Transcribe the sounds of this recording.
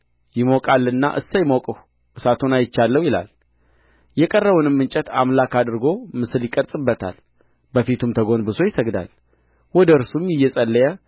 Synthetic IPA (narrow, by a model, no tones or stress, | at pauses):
jɪmokʼalːɨnːa̰ʔɨ̰sːəjɪmokʼɨh | ʔɨsat̪ʰonajɪt͡ʃːalːəwjɪla̰l | jɛkʼərːəβunɨmːɨnt͡ʃʼɛt̪ʰa̰mlakad̪ɨɾɡo̞mɨsɨljɪkʼəɾt̪ʼɨbːət̪ʰa̰l | bəfit̪ʰumt̪ʰəɡo̞nbɨso̞jɪsəɡd̪a̰l | wɔd̪əɨɾsumjɪjːɛsʼəlːəjə